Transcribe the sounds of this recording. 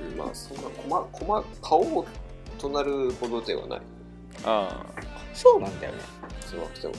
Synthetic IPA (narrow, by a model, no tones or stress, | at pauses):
ma̰ːsõ̞nːakʰomakʰo̞makʰaoː | t̪o̞naɾɯ̟bo̞d̪ot̪eβa̰na̰i | aːsoːnãnd̪ajo̰nḛsoa̰kʲi̥t̪a̰